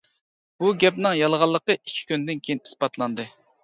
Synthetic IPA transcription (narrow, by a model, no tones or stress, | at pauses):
b̥uɡʲɛpnɨŋjɑlˠʁɑlˠːəqəikʲʰːi̥kʲynd̪ɪnkʲʰejini̥spɑt̪lˠɑnd̪ɨ